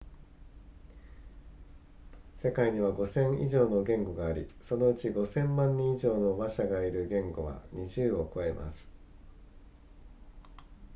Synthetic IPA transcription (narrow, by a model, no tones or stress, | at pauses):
se̞kaiɲ̟iβ̞aɡo̞sẽ̞ɰ̃iʑo̞ːno̞ɡẽ̞ŋɡo̞ɡaːɾʲḭso̞no̞ɯ̟t͡ɕiɡo̞sẽ̞mːãɲ̟ːĩiʑo̞ːno̞baɕaɡaiɾɯ̟ɡẽ̞ŋɡo̞βa̰ɲ̟iʑɨːo̞ko̞e̞mʔa̰sɨ̥